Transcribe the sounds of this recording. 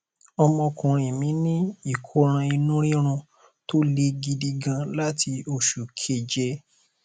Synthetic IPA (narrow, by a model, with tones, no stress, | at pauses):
ɔ˧mɔ̃˧kũ˨ɾ̃ĩ˨mĩ˨˦nĩ˦i˦˨kʰo˧˦ɾ̃ã˧i˧nũ˦ɾ̃ĩ˦ɾ̃ũ˧ | to˦le˦ɡi˧di˧ɡã˧la˦ti˧o˧ʃu˨kʰe˨d͡ʒɛ˧